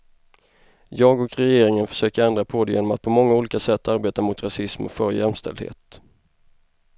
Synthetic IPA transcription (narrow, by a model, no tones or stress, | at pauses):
jɑːɡɔkɾɛjeːɾɪŋənfœ̥ʂøːkəɾɛnd̪ɾapʰɔd̪ɛjeːnɔma̰t̪̚pʰɔmɔŋːauːliːkasɛt̪ʰːaɾbeːt̪amʊt̪ɾasɪsmɔ̰kfœɾjɛmst̪ʰɛ̰ld̪hḛːt̪